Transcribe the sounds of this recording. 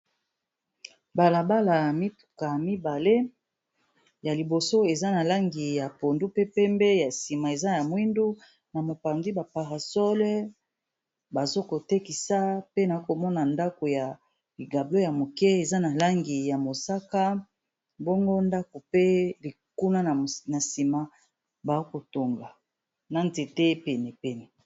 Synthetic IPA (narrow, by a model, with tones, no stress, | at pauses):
ba˨la˨ba˦la˨mi˦tu̥˨ka˨mi˦ba˨le˦ | ja˨li˨bo˨so˦e˨za˦na˨la˦ŋɡi˨ja˨po˨ndu˦pe˦pɛ˦mbɛ˦ja˨si˨ma˨e˨za˦ja˨mwi˦ndu˦ | na˨mo˨pa˨ndi˦ba˨pa˨ʁa˨sɔ˦lɛ˦ | ba˨zo˦ko˨te˦ki˨sa˦pe˦na˨i˦ko˨mɔ˦na˨nda˦ko˨ja˨ | li˨ɡa˨blo˦ja˨mo˨kɛ˦e˨za˦na˨la˦ŋɡi˨ja˨mo˨sa˦ka˦ | bɔ˦ŋɡo˦nda˦ko˨pe˦li˨ku˦na˦na˨na˨si˨ma˦ | ba˨o˦ko˨to˨ŋɡa˨ | na˨nte˨te˦pɛ˨nɛ˨pɛ˦nɛ˨